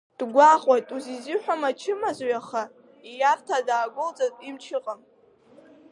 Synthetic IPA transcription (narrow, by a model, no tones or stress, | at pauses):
d̥ɡʷaχʷʼajtʼuzizɨħʷᶣamat͡ʃʰɪmazojaχa | ijartʰadaːɡʷʊlt͡sʼatʼimt͡ʃʰɨqʼam